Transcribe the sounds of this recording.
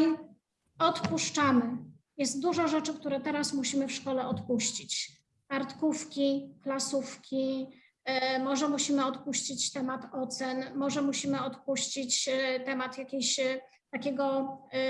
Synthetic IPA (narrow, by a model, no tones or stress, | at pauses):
ɔt̪puʂt͡ʂamɘ | jɛst̪̚d̪uʐɔʐɛt͡ʂɘkt̪uɾɛt̪ɛɾasmuɕimɘfʂkɔlɛɔt̪puɕt͡ɕit͡ɕ | kaɾt̪kufkʲiklasufkʲi | mɔʐɛmuɕimɘɔt̪puɕt͡ɕit͡ɕt̪ɛmat̪ɔt̪sɛnmɔʐɛmuɕimɘɔt̪puɕt͡ɕit͡ɕt̪ɛmat̪jakʲeɕ | t̪akʲeɡɔ